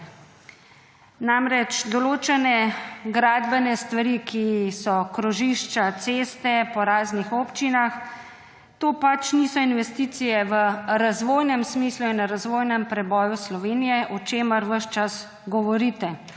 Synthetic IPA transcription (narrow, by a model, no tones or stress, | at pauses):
namɾɛt͡ʃd̪ɔloːt͡ʃɛnɛɡɾaːd̪bɛnɛst̪ʋaɾikisɔkɾɔʒiʃt͡ʃat̪seːst̪ɛpɔɾaːznixɔpt͡ʃinax | t̪oːpat͡ʃnisɔinʋɛst̪iːt̪sijɛʋəɾazʋoːjnɛmsmiːsluinaɾazʋoːjnɛmpɾɛbɔːjuslɔʋeːnijɛʔɔt͡ʃeːməɾʋəʃt͡ʃas | ɡɔʋɔɾit̪ɛ